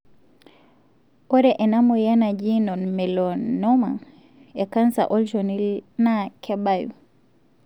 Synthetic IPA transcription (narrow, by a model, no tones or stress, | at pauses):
ɔɾɛʔɛnamɔjanad͡ʒinɔnmɛlɔnɔma | ɛkansa̰ʔɔlʃɔnilnakʰɛbajṵ